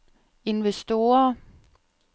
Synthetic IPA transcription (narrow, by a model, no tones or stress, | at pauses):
e̝nʋesd̥o̝ːɐ